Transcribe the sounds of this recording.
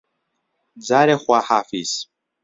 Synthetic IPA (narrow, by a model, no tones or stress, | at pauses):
d͡zaɾeχʷaħafis